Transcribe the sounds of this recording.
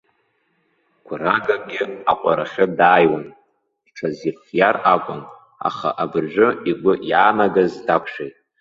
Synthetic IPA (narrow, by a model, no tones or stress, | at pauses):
ɡʷʰraɡaɡʲɪaqʷʼaɾaχʲʊdaːjwan | d̥ʈ͡ʂʰazirfjarakʷʼʊn | a̰χa̰ʔabɨrʒᶣʷʊiɡʷʊʔjaːnaɡazdakʷʰʂejtʼ